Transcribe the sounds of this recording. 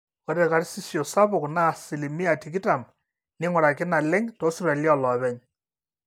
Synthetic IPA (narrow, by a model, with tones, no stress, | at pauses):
kɔ˨ɾɛ˨ka˨˦ɾsi˦sjo˨sa˦bʊ˨kna˦˨sɪ˨li˨mi˦a˨ti˨k̬ɪ˦ta˨m | nɪ˦ŋʊ˨ɾa˨kɪ˦na˨lɪ˦ŋtɔ˦sra˨lja˦lɔ˨βɛ˦ɲ